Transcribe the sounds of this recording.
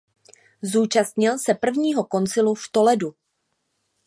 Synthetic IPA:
zuːt͡ʃast̪ɲɪlsɛpr̩vɲiːɦo̞ko̞nt͡sɪluft̪o̞lɛdu

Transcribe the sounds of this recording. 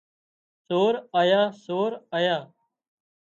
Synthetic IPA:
soːɾaːjaːsoːɾaːjaː

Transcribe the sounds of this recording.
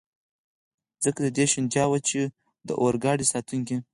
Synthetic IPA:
zəkad̪əd̪eʃɪnd͡ʒɑwat͡ʃe | d̪ə̰ʔoɾɡɑɽisɑt̪uŋke

